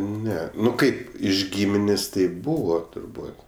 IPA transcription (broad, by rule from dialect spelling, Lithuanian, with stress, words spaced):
ˈnʲɛ ˈnʊ ˈkɐɪp ɪʃ ˈɡʲiːmʲɪnʲeːsʲ tɐɪ ˈbuːʋɐ tʊrˈbuːt